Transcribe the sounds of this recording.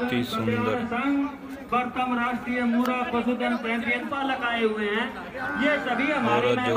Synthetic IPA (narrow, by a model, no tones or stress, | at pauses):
səŋɡ | bəɾt̪aːmɾaːɾt̪iːemuːɾaːpəsuːd̪ənpɾɛ̃ːd̪ɾijət̪paːləkaːeːɦʊeːɦɛ̃ː | jeːsəbʱiaːmaːn